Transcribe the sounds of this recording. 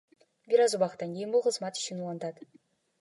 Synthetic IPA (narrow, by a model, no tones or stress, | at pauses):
bʲiɾɑzubɑχt̪ɑnkʲejɪnbolˠχə̆zmɑt̪i̥ʃɘnulˠɑnd̪ɑt̪